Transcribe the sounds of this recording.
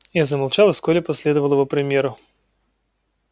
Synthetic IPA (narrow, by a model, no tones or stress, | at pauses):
jazəmɐlˠt͡ɕalˠəskolʲɪpɐsʲlʲed̪əvəlˠɪvopɾʲɪmʲjeɾʊ